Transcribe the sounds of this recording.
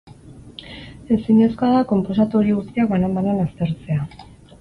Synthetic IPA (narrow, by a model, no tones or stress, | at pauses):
e̞siɲeskoaðako̞mpo̞sat̪o̞ɾiɣust̪iakbanambananast̪e̞ɾt͡se̞a